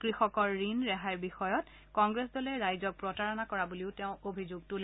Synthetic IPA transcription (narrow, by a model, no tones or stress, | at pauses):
kɹixɔkɔɹːinɹɛɦajɹbixɔjɔt | kɔŋɡɹesdɔlɛɹajzɔk̚pɹɔtaɹɔnakɔɹabuliʊteʊ̃ʔobʱizuɡ̚tʊl